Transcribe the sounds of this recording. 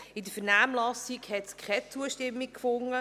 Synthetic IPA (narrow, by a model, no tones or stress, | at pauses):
ɪdəfəɾnæːmlɑsikhɛtskʰχɛt͡suəʃtɪmːikfʊŋə